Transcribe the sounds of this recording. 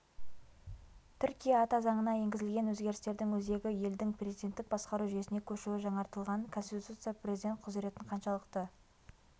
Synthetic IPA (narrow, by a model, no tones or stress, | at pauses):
t̪ʰʏɾkʲijɑːt̪ɑzɑɴənɑje̞ŋɡʲɪzɪlɡʲe̞nwɵzɡʲe̞ɾɪst̪e̞ɾd̪ɪŋwɵze̞ɡʲɪje̞ld̪ɪŋprʲezid̪ʲe̞nt̪ːɪk̚bɑsqɑɾuʒʏjesɪne̞kʲʰɵʃuwɪʒɑɴɑɾt̪əlˠʁɑŋkʰo̞nst̪it̪ut̪ut̪sɨjaprʲezid̪ʲe̞nt̪̚qʰʊze̞ɾe̞t̪ɪɴqʰɑnʃɑlˠəqt̪ə